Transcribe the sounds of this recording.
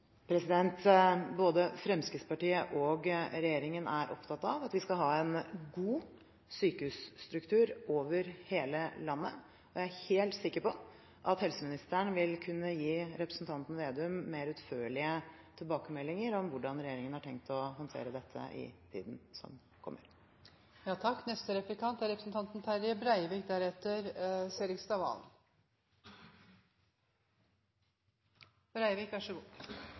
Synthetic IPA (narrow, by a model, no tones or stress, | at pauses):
pʰɾɛsɪd̪ɛnt̪boːd̪əfɾɛmskəspɑʈiːəʔɔɡɾɛjeːɾɪŋənæɾʔɔ̰pt̪ʰɑt̪ːɑʋɑt̪ʋɪskɑlɦɑːɛnɡuː | syːkəhʉːsːt̪ɾʉkt̪ʰʉːɾoːʋəɾheːləlɑnːə̰ | ɔjæɪæɾheːlt̪sɪkːəɾpɔ | ʔɑt̪hɛlsəmɪnɪst̪əɳʋɪlkʰʉnːəjiːɾɛpɾəsn̩t̪ʰɑnt̪nʋeːd̪ɛʉmːeːɾʉt̪føːɭɪət̪ʰɪlbɑːkəmɛlːɪŋəɾɔmʋʊɖɑnɾɛjeːɾɪŋənhɑʈʰɛŋk̚t̪ɔɦɔnt̪ʰḛːɾəd̪ɛt̪ʰːə̰ʔɪ̰t̪ʰḭːd̪nsɔ̰m | kʰɔ̰mːə̰ɾ | jɑːt̪ʰɑkːnɛst̪əɾɛplɪkɑnt̪æɾɛpɾəsn̩t̪ɑnt̪nt̪ʰæɾəbɾæɪʋiːk̚d̪æːɾɛt̪ːəɾseːɾɪkst̪ɑʋɑ̰n | bɾæɪʋiːkʋɑʂəɡuː